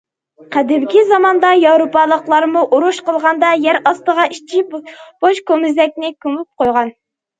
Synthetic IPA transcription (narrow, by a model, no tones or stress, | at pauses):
qʰæd̪ɪmkʲizɑmɑnd̪ɑjɑwɾopɑlˠəqlˠɑɾmuʔuɾuʃqəlˠʁɑnd̪ɑjæɾɑst̪əʁɑiʃt͡ʃʰib̥oʃkomɪzɛk̚ʲnɪkʲymyp̚qojʁɑn